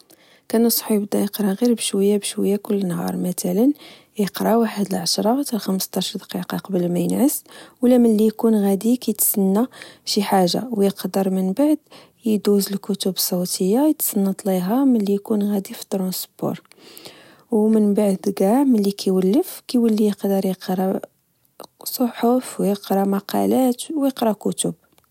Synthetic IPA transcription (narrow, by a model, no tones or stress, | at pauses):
kænəsˤħjəbd̪æjəqɾˤɑɣiɾbəʃwəjːabʃwəjːækʊlːənɦɑ̰ɾˤmæt̪ælən | jəqɾˤɑwaħəd̪əlʕaʃɾˤɑt̪ælxəməst̪ɑʃɾˤd̪ɑ̥qiqɑqɑbəlmæjənʕəswlːæmənlːijkunɣæd̪ikæjt̪sənːaʃiħaʒa̰wjəqd̪əɾˤmənbaʕd̪ | jəd̪uzəlkʊt̪ubsˤut̪ʰəjːajət̪sɑnːɑt̪ˤliɦaməlːijkunɣæd̪ifi̥t̪ːɾɑ̃sbṵɾˤ | wmənbaʕd̪ɡæʕmənlːikʰæjwəlːəfkæjwəlːijəqd̪əɾˤjəqɾˤɑ | sˤoħofwjəqɾˤɑmɑqɑ̰læt̪wjəqɾɑkʊt̪ʊb